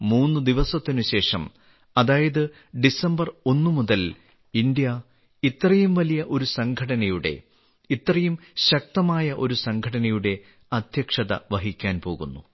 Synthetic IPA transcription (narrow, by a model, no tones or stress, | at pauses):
muːnːɨd̪iʋɐsɐt̪ːinuɕe̞ːʂɐm | ɐðaːjɐðɨ | ɖisɐmbɐro̞nːɨmuðɐl | ind̪jɐ | it̪rɐjumʋɐlijɐʔo̞ɾusɐŋɡʰʱɐɽɐnɐjuɽe̞̰ | it̪rɐjumɕɐk̚t̪ɐmaːjɐʔo̞ɾusɐŋɡʰʱɐɽɐnɐjuɽe̞ | ɐd̪ʱjɐkʂɐðɐ̰ʋɐɦikʲːaːnpo̞ːɣunːu